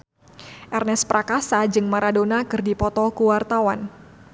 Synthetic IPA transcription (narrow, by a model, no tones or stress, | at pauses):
ʔɛrnɛspɾakasad͡ʒɨŋmaɾadonakɨrdipɔt̪ɔkuwart̪awan